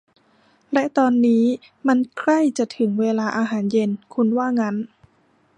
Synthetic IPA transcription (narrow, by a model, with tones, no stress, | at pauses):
lɛ˦˥ʔt̪ɔː˧nːiː˦˥ | ma˧nkʰla˥˩jt͡ɕa˨˩t̪ʰɯ˩˦ŋweː˧laː˧ʔaː˧ɦaː˩˦nje˧nkʰu˧nwaː˥˩ŋa˦˥n